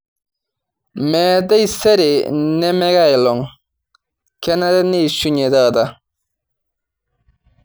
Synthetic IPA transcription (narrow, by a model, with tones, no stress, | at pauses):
mɛː˨de˦jsɛ˦ɾɪ˨nɛ˦mɛ˦ɡa˦˨jlɔ˨ŋ | kɛ˦na˦ɾɪ˦ne˦˨su˦ɲe˨da˦˨da˨